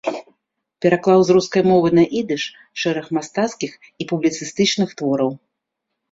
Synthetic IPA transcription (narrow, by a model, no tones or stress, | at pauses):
pʲɛɾaklˠawzɾuskɐjmɔvɨnɐʔid̪ɨʂ | ʂɛɾɐxmast̪at̪skʲix | ipublʲit̪sɨst̪ɨt͡ʂnɨxt̪vɔɾɐw